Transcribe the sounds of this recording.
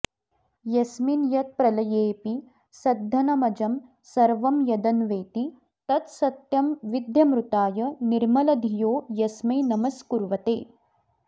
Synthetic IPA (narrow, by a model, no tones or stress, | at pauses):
jɐsminjɐt̪̚pɾɐlɐjeːpi | sɐd̪ʱːɐnɐmɐd͡ʒɐm | sɐɾʋɐmjɐd̪ɐnʋeːt̪i | t̪ɐt̪sɐt̪jɐmʋid̪jɐmɾut̪aːjɐniɾmɐlɐd̪ʱijoːjɐsmɐjnɐmɐskuɾʋɐt̪ḛː